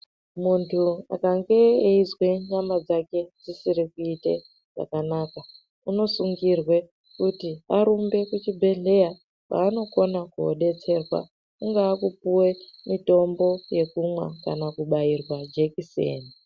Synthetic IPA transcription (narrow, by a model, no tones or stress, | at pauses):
muntʰua̰kaŋɡe̞ːizwe̞ɲamad͡zake̞d͡zisiɾikuitḛ | ʐa̰kanaka | uno̞suŋɡirwe̞ | kutiaɾumbe̞kut͡ʃibʱe̞ɮe̞ja | pa̰ːno̞ko̞nakuo̰ɗe̞t͡se̞rwa̰ | uŋɡaːkupuwe̞mito̞mbo̞je̞kumwa̰kanakuɓairwad͡ʒekisḛːni